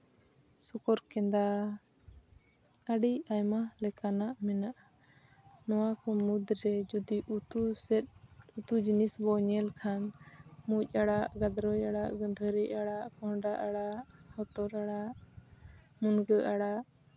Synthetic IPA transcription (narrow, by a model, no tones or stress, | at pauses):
sɔkɔɾkɛnd̪a | aɖiajmalɛkanaʔmɛnaʔa | nɔwakɔmud̪ɾɛd͡ʒud̪iut̪usɛt̪̚ut̪ud͡ʒinisbɔɲɛlkʰanmuc̚ˀaɽaʔɡad̪ɾɔjaɽaʔɡəd̪ʱəɾiʔaɽaʔkɔɳɖaʔaɽaʔhɔt̪ɔɾaɽaʔ | munɡəʔaɽaʔ